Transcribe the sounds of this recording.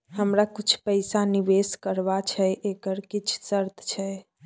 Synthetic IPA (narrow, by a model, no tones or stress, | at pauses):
həmɾakut͡ʃʰpəjsaniʋeskəɾbat͡ʃʰɛʔekəɾkit͡ʃʰsəɾt̪ʰt͡ʃʰɛ